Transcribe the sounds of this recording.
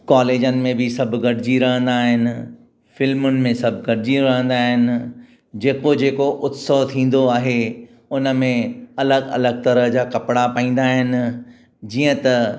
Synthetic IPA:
kaːleːd͡ʑənɪ̆mẽbɪsɐbʱɡɐɽɪd͡ʑiɾɐɦə̃nd̪aːɦɪnɪ̆ | fɪlmʊnɪ̆mẽsɐbʱɡɐɽɪd͡ʑiɾɐɦə̃nd̪aːɦɪnɪ̆ | d͡ʑeːkod͡ʑeːkoʔʊt̪soɦt̪ʰĩːn̆d̪oaːɦe | ʊnə̆mẽɐləɡɐ̰ləɡt̪ɐɾəɦd͡ʑaːkɐpɽapaĩːn̆d̪aːɦɪnɪ̆ | d͡ʑiːə̃t̪ɐ

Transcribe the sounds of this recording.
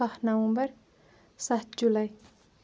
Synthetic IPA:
ahnawumbər | sat̪̚d͡ʒulaj

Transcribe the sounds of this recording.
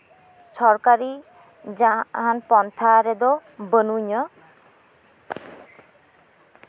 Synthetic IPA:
sɔɾkaɾi | d͡ʒapɦanpɔnt̪ʰaɾɛd̪ɔbənuɲɔ

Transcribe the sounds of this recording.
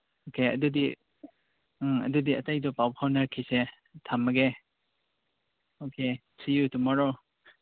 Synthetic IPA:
okeɐ̰dudi | ɐ̰dudiɐtajdɔpawpʰawnaɾkʰise | tʰamːɐɡe | oke | sijutumɔɾɔ

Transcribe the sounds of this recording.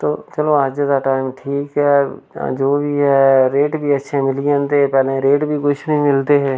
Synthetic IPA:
t̪oːt͡ʃɐloaːd͡ʒed̪aʈaːɪmʈʰiːkɦɛd͡ʒoːbʱiɦɛːɾeːʈbʱiətːʃʰemɪlijãnt̪epɛːlẽɾeːʈbʱikʊt͡ʃʰnəɦĩmɪlt̪eɦɛː

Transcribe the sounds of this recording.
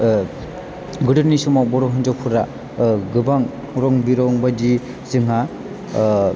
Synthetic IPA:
ɡɯdɯɾnisumabɔɾɔɦɯnd͡ʒɔpʰuɾa | ɡɯbaŋ | ɾɔŋbiɾɔŋbadi | zɯŋɦa

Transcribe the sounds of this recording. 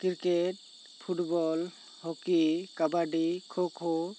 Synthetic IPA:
kiɾkeʈ̚ | pʰuʈbɔl | hokikabaɖikʰokʰo

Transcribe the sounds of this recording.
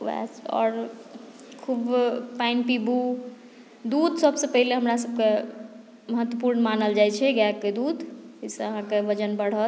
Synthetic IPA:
ʋɛ̰sɔ̰ːɾ | kʰubpainpibu | d̪ud̪səbsẽpəɦileɦəmɾasəb̚ke | məɦət̪wəpuɾnəmanəld͡ʒajt͡ʃʰɛɡɛkked̪ud̪isẽəɦãkebəd͡ʒənbəɽ̤ət̪

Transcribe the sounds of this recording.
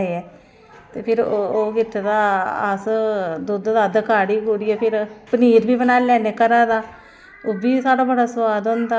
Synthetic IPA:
eɛː | t̪eːpʰɪɾoːɡɪʈʰːd̪aːəsd̪ud̪d̪aːd̪əkaːɽiːɡuːɾiːɛːpʰɪɾpəniːɾbiːbənaːlɛːneːkəɾaːd̪aː | oːbiːsaːɽaːbəɽaːsəʋaːd̪ond̪aː

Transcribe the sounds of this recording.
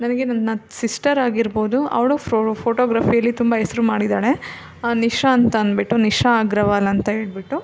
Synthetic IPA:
nɐnɐɡe̞nɐnːɐsisʈɐɾaːɡiɾbo̞ːd̪uɐ̰ʋɐɭupʰoːʈoːɡɾaːfijɐlːit̪umbɐɦɛsɾumaːɽid̪aːɭe̞ | aːniʂaːnt̪ɐːnbiʈːuniʂaːɡɾɐʋaːlɐɐnt̪ɐɦeːɭbiʈːu

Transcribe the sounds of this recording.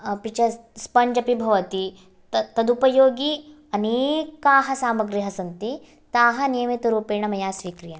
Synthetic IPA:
pit͡ʃɐspɐɲd͡ʒɐpibʱɐʋɐt̪i | t̪t̪ɐd̪upɐjoːɡi | ɐneːkaːɦɐsaːmɐɡɾiɦɐsɐnt̪i | t̪aːɦɐnijɐmet̪ɐɾuːpeːɳɐmɐjaːsʋiːkɾijɐn

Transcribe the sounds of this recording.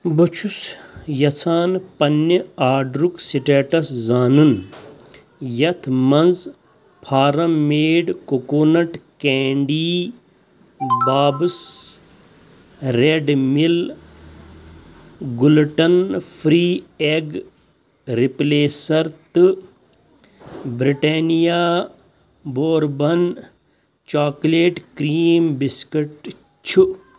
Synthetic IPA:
bɐt͡ʃʰusjɐt͡sʰaːnpɐnːɐaːɖɾuksiʈeːʈɐszaːnun | jɐt̪ʰmɐnz | pʰaːɾɐmmːeːɖkokoːnɐʈkeːɳɖiː | baːbɨs | ɾeɖmil | ɡulʈɐnpʰɾiːeɡ | ɾipleːsɐɾt̪ | bɾiʈeːnijaː | boːɾbɐn | t͡ʃaːkleːʈkɾiːmbiskeʈ | t͡ʃʰu

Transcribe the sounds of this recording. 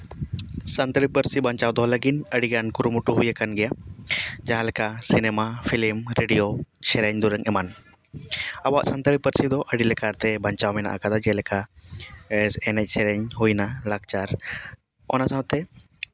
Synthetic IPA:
sant̪əɾipəɾsibaɲt͡ʃawd̪ɔɦɔləɡinəɽiɡankuɾumuʈuɦujakanɡɛja | d͡ʒaɦãlɛkasinɛmapʰilimɾeɖijosɛɾɛɲd̪uɾəŋɛman | awaʔsant̪əɾipəɾsid̪ɔʔəɽilɛkaɾt̪ɛbaɲt͡ʃawmɛna̰ʔa̰kad̪ad͡ʒɛlɛka | sɛnɛc̚ˀsɛɾɛɲhujnalak̚t͡ʃaɾ | ɔ̰nasãɦt̪ɛ

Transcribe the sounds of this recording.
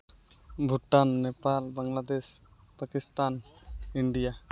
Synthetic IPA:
bʱuʈanːepalbaŋlad̪es | pakist̪aniɳɖija

